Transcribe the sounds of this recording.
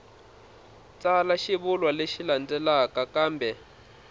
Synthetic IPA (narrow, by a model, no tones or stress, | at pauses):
t͡salaʃiβulwaleʃiland͡zɛlakakaːmbɛ